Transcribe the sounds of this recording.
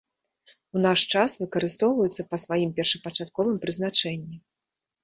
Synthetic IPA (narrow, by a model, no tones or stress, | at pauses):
unaʂt͡ʂasvɨkɐɾɨst̪ɔwvɐjut̪sːɐpɐsvajimpʲɛrʂɐpɐt͡ʂat̪̚kɔvɨmpɾɨznat͡ʂɛnʲːi